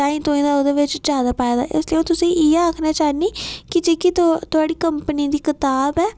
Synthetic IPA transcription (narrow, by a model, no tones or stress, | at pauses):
aːĩːt̪oːĩːd̪aːod̪eːʋɪt͡ʃd͡ʒaːd̪aːpaːeːd̪a̰ːʔɪsliːõːt̪ʊsĩːʔiːaːkʰnaːt͡ʃaːniːkɪt͡ʃikit̪t̪ʊaːɽiːkəmpəniːd̪iːkɪt̪aːbɛː